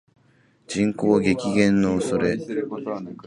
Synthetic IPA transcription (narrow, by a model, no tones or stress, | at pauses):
d͡ʑĩŋkoːɡe̞kʲiɡẽ̞nːoːso̞ɾe̞